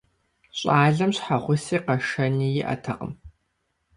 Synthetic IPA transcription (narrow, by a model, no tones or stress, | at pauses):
ɕʼaːɮɐmɕħaʁʷʊsiːqɐʃɐniːjɪʔɐ̰tʰɐqʼə̰m